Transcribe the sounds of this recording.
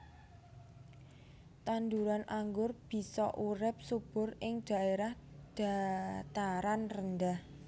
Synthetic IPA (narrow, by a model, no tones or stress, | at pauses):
t̪and̪uɾanʔaŋɡʊrb̥i̤sɔʔuɾɪp̚sub̥ʊ̤rɪŋd̪̥a̤ʔeɾahd̥a̤t̪aɾanrənd̪ah